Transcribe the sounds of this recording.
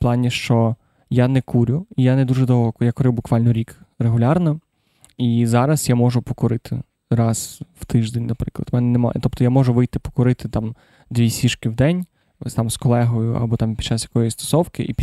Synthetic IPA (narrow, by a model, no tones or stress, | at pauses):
plˠɑnʲiʃt͡ʃɔ | janɛkʰuɾʲʊijanɛd̪uʐɛd̪ɔɦˠɔkjakʊɾɪwbʊkʋɑlʲnɔɾʲikreɦʊlʲɑrnɔ | izɑɾɐsjamɔʒʊpɔkʊɾɪt̪ʰɪ̰ | ɾɑz̥w̥t̪ɪʒd̪enʲnɐpɾɪklˠɐ̰d̪mɛnɛnɛmɔ̰t̪ɔp̚t̪ɔjamɔʒʊʋɪjt̪ɪpɔ̥kʊɾɪt̪ɪt̪ɑm | d̪ʋʲisʲiʃkɪwd̪ɛnʲ | st̪ɑmskɔlˠɛɦɔjʊʔɐ̰bɔt̪ɑmpʲd̥t͡ʃɑsjɐkɔjist̪ɔ̥sɔwkɪ̰ʔḭpʲ